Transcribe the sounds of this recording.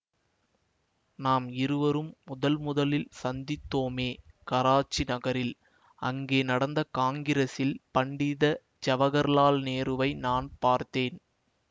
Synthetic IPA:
naːmɪɾɯʋɐɾɯmːʊðɐlmʊðɐlɪlsɐnd̪ɪt̪ːoːmeːkɐɾaːt͡ʃːinɐɣɐɾɪl | ɐŋɡeːnɐɽɐnd̪ɐkaːŋɡɪɾɐsɪlpɐɳɖɪðɐ | d͡ʒɐʋɐɣɐɾlaːlneːɾɯʋɐɪnaːnpaːɾt̪eːn

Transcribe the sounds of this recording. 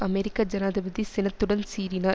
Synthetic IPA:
ɐmeɾɪkːaːd͡ʒɐnaːðɐbɐðisɪnɐt̪ːɯɽɐnsiːɾinaː

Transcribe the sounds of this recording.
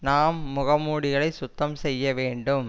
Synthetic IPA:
naːmːʊɣɐmuːɽɪɣɐɭɐɪsʊt̪ːɐmsɛjːɐʋeːɳɖɯm

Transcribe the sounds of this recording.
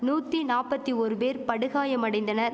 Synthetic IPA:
nuːt̪ːinaːpːɐt̪ːiɔɾɯpeːɾpɐɽɯɣaːjɐmɐɽɐɪnd̪ɐnɐɾ

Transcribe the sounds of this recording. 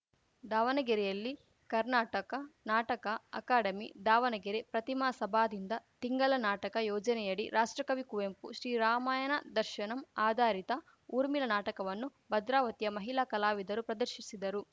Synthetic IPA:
d̪aːʋɐnɐɡiɾɛjɐlːi | kɐɾnaːʈɐkɐnaːʈɐkɐɐ̰kaːɖɐmid̪aːʋɐnɐɡiɾepɾɐt̪imɐsɐbʱaːd̪ind̪ɐt̪iŋɡɐlɐnaːʈɐkɐjɔːd͡ʒɐnɛjɐɽiɾʔaːʂʈɾɐkɐʋikuʋempṵʃɾiːɾaːmaːjɐnɐ̰d̪ɐɾʃɐnɐmaːd̪ʱaːɾit̪ɐ | uːɾmilɐnaːʈɐkɐʋɐnːubɐd̪ɾaːʋɐt̪ijɐmɐɦilakɐlaːʋid̪ɐɾupɾɐd̪ɐɾʃisid̪ɐɾu

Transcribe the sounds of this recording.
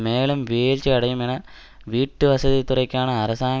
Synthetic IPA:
meːɭumʋeːlt͡ɕːɨɐɽɐjumenɐ | ʋiːʈːɨʋɐsɐðit̪ːurɐkʲːaːɳɨɐrɐsaː

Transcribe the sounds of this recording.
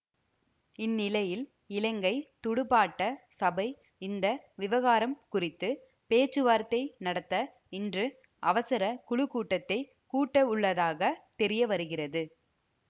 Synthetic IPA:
ɪnːɪlɐjɪl | ɪlɐŋɡɐɪt̪ʊɽɯpaːʈːɐsɐbɐɪ | ɪnd̪ɐʋɪʋɐɣaːɾɐmkʊrɪt̪ːɯ | peːt͡ʃːɯʋaːɾt̪ːɐɪnɐɽɐt̪ːɐ | ɪndrɯ | ʔɐʋɐsɐɾɐkʊɭɯkːuːʈːɐt̪ːɐɪ | kuːʈːɐʊɭːɐðaːɣɐt̪ɛɾɪjɐʋɐɾɯɣɪrɐðɯ

